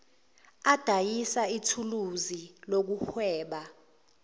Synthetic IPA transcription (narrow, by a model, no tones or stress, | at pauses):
ad̥ʱajisaitʰuluzilok̬uxwɛːɓa